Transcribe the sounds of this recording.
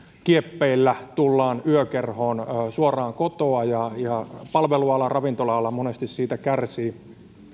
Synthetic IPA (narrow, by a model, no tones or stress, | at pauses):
kiepːeilːæt̪ulːɑːnyøkerhoːnːsuorɑːŋkot̪oɑjɑjɑpɑlʋeluɑlːɑrɑʋint̪olɑɑlːɑmonest̪issiːt̪ækærsiː